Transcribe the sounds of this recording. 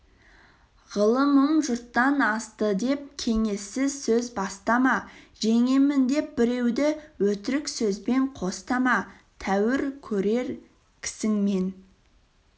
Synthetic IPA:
ʁəlˠəməmʒʊɾt̪ːɑnɑst̪əd̪e̞p̚kʲʰe̞ŋe̞sːɪzsɵzbɑst̪ɑmɑ | ʒe̞ŋemɪnd̪e̞p̚bɪɾe̞wd̪ɪwɵt̪ɪɾɪksɵzbe̞ɴqʰo̞st̪ɑmɑ | t̪ʰæwɪɾkʲʰɵɾe̞ɾ | kʲʰɪ̥sɪŋme̞n

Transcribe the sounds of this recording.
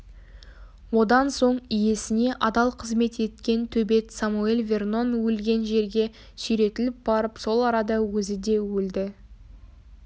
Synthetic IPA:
wo̞d̪ɑnso̞ɴije̞sɪne̞ʔɑd̪ɑlˠqʰəzme̞t̪e̞t̪kʲe̞nt̪ʰɵbe̞t̪samue̞lʲvʲe̞rno̞nwɵlɡʲe̞nʒe̞ɾɡʲe̞ | sʏjɾe̞t̪ɪlɪp̚bɑɾəpso̞lˠɑɾɑd̪ɑwɵzɪd̪e̞wɵld̪ɪ

